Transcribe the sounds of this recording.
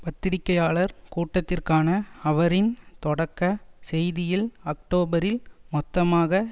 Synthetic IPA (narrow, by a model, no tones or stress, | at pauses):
pɐt̪ːɪɾɪkːɐjaːɭɐɾkuːʈːɐt̪ːɪrkaːnɐɐʋɐɾɪnt̪ɔɽɐkːɐsɛjðɪjɪlɐk̚ʈoːbɐɾɪlmɔt̪ːɐmaːɣɐ